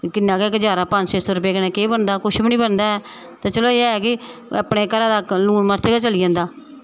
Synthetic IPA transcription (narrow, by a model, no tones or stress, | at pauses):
kɪnːãːkeɪkd͡ʒaːɾaːpənd͡ʒseːsɔːɾʊp̬eːknɛ̃ːkeːbənd̪aːkʊʃʰbiːnĩːbənd̪aːɛː | t̪ãːt͡ʃəloːeːɛːkɪ | ə̰pɳeːkəɾaːd̪aːluːɳməɾt͡ʃeːɡaːt͡ʃəliːd͡ʒãːnd̪aː